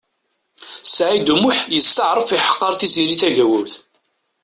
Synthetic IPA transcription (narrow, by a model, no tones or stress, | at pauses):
sʕid̪umʊħjəst̪əʕɾˤəfiħə̥qːɑɾˤθiziɾiθæʝæwʊɾθ